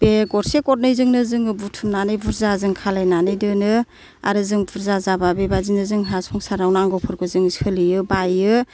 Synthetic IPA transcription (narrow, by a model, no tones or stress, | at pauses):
b̥eɡɔɾsekɔt̚nɯjzɯŋnɯzɯŋɯbutʰumnanɯjbuɾzazɯŋkʰalajnanɯjdɯnɯ | a̰ɾɯzɯŋbuɾzazababebazinɯzɯŋɦasɔŋsaɾawnɯaŋɡɔwpʰɯɾɡɯzɯŋiskʰɯlijɯbajɯ